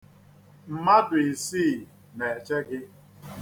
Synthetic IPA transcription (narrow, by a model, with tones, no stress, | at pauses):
m̩˨ma˦dʊ˨i˨siː˦˨ | ne˨e˨t͡ʃe˦ɡɪ˦